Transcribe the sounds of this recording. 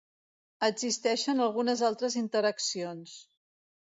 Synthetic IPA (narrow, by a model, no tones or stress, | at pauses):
əɡzist̪ɛʃənəlˠɣunəzalˠt̪ɾəzint̪əɾəksions